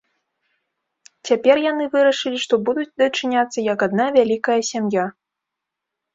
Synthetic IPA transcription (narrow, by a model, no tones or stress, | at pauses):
t͡sʲapʲɛrjanɨvɨɾɐʂɨlʲiʂt̪ɔbud̪ut͡sʲd̪ɐt͡ʂɨnʲat̪sːɐjɐkad̪̚navʲalʲikɐjɐsʲamja